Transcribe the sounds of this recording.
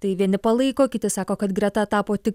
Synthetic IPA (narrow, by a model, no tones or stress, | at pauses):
t̪ɐɪʋʲiɛnʲɪpɐlˠɐɪkoːkʲɪt̪ʲɪsɑːkoːkɐt̪ɡɾʲɛt̪ɐt̪ɑːpoːt̪ʲɪk